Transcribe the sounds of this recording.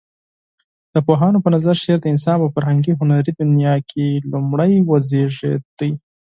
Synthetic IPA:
d̪̥əpoɦɑnopənazaɾʃeɾd̪əɪnsɑnpəfaɾhaŋɡiɦʊnaɾid̪ʊnjɑkʰelumɽəjwəzeʐḛd̪̥əj

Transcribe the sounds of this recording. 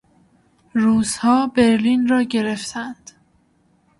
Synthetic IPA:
ruːz̥hɒːbe̞ɾliːnrɒːɟe̞ɾe̞ft̪ʰænd̪̥

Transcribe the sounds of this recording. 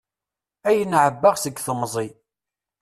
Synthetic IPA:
æjənʕəbːaʁsəɡθəmzˤi

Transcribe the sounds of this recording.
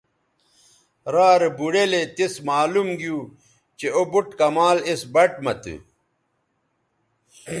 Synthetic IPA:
ɾaːɾebuɽelet̪ismaːlumɡijuː | t͡ɕeobuʈkɐmaːlesbɐʈmɐt̪ɨ̰

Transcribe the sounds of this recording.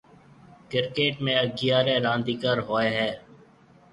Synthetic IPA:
kɪɾkeːʈmẽːəɡɪjaːɾẽːɾãːnd̪iːkəɾɦoːeːɦɛː

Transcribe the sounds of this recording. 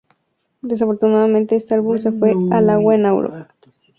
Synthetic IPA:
d̪es̬afo̞ɾt̪unaðamẽnt̪eest̪ealβumsefwe̞alaɣwaenaw̰ɾo̰

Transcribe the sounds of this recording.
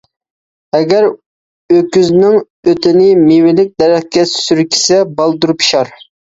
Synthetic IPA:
ɛɡʲæɾ | økʲyznɪŋ | øt̪ʰɪnɪmewɪlɪk̚ʲd̪ɛɾɛχ̚kʲɛssyɾkʲʰi̥sɛbɑlˠd̪uɾupʰʃɑɾ

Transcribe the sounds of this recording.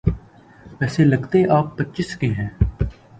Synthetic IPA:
ʋɛːselɐɡt̪eʔaːpːətːt͡ʃɪskeɦɛ̃ː

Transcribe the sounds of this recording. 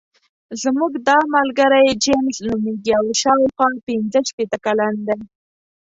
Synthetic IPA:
zmuɡd̪ɑmalɡaɾajd͡ʒemsnumeɡiawʃɑwxwɑpɪnd͡zəʃpet̪əkaland̪aj

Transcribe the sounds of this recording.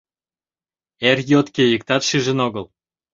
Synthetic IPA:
erjot̪kejəkt̪ɑt̪ʃiʒə̆noɣəl

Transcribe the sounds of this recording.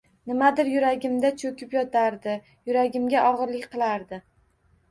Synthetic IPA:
nɪmad̪ɪɾjʊɾaɡʲɪmd̪at͡ʃʰokʲɪpjɒt̪ʰaɾd̪ɪ | jʊɾaɡʲɪmɡʲaʔɒʁɨɾlɪkʲqʰɨlˠaɾd̪ɪ

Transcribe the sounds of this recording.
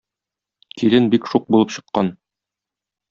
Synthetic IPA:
kʰilɘnbikʃuq̚bulˠɤpɕɤ̆qːɑn

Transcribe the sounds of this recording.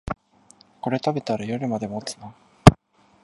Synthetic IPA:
ko̞ɾe̞t̪abe̞t̪aɾajoɾɯ̟mad̪e̞mot͡sɨ̥na

